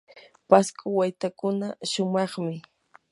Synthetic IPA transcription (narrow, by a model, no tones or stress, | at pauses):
paskʊwajt̪akʊnaʃʊmɑχmɪ